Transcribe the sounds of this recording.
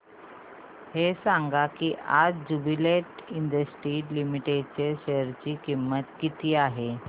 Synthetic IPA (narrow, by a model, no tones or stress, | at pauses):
hesãŋɡakiːʔad͡zd͡ʑubileʈiɳɖəsʈiːlimiʈet͡ɕeɕeəɾt͡ɕiːkimːət̪kit̪iːaɦe